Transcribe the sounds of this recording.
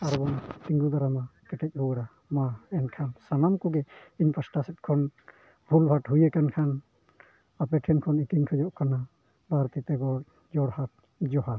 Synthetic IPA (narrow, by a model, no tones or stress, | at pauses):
aɾbɔnt̪iŋɡud̪aɾamakɛʈɛc̚ˀhuwɛɽa | maɛnkʰansanamkuɡɛiɲpəsʈasɛt̪̚kʰɔn | bʱulbʱaʈɦujɛkankʰan | apɛʈʰɛnkʰɔnit̪inkʰɛd͡ʒɔʔkana | bʱaɾt̪it̪ɛɡɔ | d͡ʒɔɽhat̪̚ | d͡ʒɔɦa